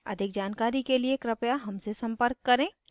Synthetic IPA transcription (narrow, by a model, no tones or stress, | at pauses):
ɐ̰d̪ʱɪk̚d͡ʒaːnkaːɾikeliekɾɐpjaɦɐmsesɐ̃mpəɾkːɐɾẽː